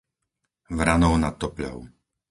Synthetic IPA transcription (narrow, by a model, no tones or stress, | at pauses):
ʋɾanɔʊnat̪ːɔpʎɔ̰ʊ